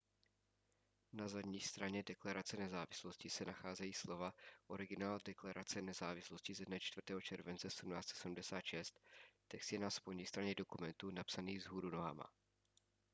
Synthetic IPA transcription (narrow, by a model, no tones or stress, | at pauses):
nazadɲiːst̪ɾaɲɛdɛklaɾat͡sɛnɛzaːvɪsloscɪsɛnaxaːzɛjiːslo̞vaʔoɾɪɡɪnaːldɛklaɾʔat͡sɛnɛzaːvɪslo̞scɪzɛdnɛt͡ʃt̪vrt̪ɛːɦo̞t͡ʃɛɾvɛnt͡sɛsɛdumnaːt͡st͡sɛsɛdum̩dɛsaːt̪ʃɛst̪ː | ɛkst̪jɛnaspojɲiːst̪ɾaɲɛdo̞kumɛnt̪unapsaniːɣzɦuːɾunoɦa̰ma̰